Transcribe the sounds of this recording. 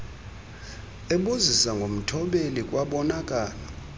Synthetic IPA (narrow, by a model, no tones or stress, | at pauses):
ɛɓuzisaŋɡʱom̩tʰɔɓelikʼwaɓɔnakʼaːlɔ